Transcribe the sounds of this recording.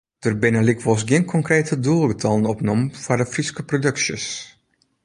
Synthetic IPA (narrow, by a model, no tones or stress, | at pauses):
d̥ərbɪnəlikʋɔs̬ɡiənkʰɔŋkreːtʰədulˠɡətʰɑlˠənɔpnɔmfadəfriskəprodøksjə̰s